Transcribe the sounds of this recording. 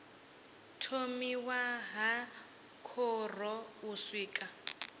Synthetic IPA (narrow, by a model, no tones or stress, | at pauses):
tʰomiwaɦa | kʰɔrɔuswiːkʼa